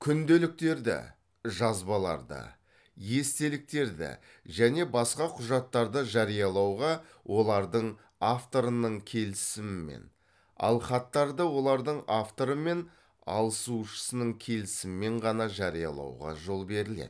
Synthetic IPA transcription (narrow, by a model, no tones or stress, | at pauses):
kʲʰʏnd̪elɪk̚t̪e̞ɾd̪ɪ̰ | ʒɑzbɑlˠɑ̰ɾd̪ə̰ | je̞st̪e̞lɪk̚t̪e̞ɾd̪ɪ̰ | ʒæne̞bɑsqɑqʰʊʒɑt̪ːɑɾd̪əʒɑɾijɑlˠɑwʁɑ | wʔo̞lˠɑɾd̪əɴ | aft̪o̞ɾənəɴkʲʰe̞lɪsɪmɪmḛn | ɑ̰lˠχɑt̪ːɑɾd̪əwo̞lˠɑɾd̪əɴaft̪o̞ɾəme̞n | ɑ̰lˠəsuʃə̥sənəɴkʲʰe̞lɪsɪmɪme̞ɴʁɑnɑʒɑɾijɑ̰lˠɑ̰wʁɑ̰ʒo̞lˠbe̞ɾɪlḛd̪̥